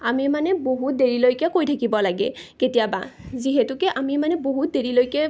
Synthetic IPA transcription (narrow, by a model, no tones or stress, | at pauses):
amimanɛboɦut̚deɹilojkɛkojtʰakibɔlaɡɛ̰ketijaba̰ziɦɛtʊkɛʔamimanɛboɦut̚deɹilojkɛ